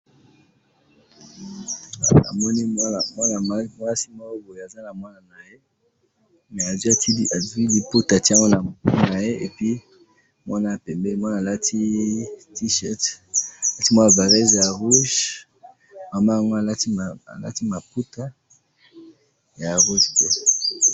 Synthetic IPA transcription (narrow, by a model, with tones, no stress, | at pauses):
a̰˨mɔ˦ni˦˨mwa˦na˨˦mwa˦si˦mɔ˦ko˦bo˨je˨a˨za˦na˨mwa˦na˨na˨je˦ | mɛ˨a˨zwa˨ti˦˨a˨zu˦i˦li˨pu˦ta˨ti˦a˦ŋɔ˦na˨na˨je˦e˨pi˦ | mwa˦na˦˨pɛ˨mbɛ˦mwa˦na˨la˦tʰi˦ti˦ʃɛ˦tla˦ti˦mwa˦na˨va˨ʁɛ˦zja˨ʁu˦ʒ | ma˨ma˦a˨ŋɡo˦a˨la˦ti˦˨a̰˨la̰˦ti˦ma˨pu˦ta˦ | ja˨ʁu˦ʒtɛ˦